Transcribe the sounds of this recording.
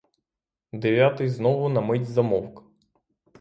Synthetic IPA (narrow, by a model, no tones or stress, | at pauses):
d̪eʋʲjat̪ɪjznɔʋʊnɐmɪtʲzɐmɔwk